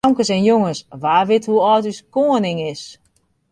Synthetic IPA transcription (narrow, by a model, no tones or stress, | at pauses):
ɔŋkəsɛnjoŋəsʋaːrʋɪthuɔːtyskoənɪŋɪs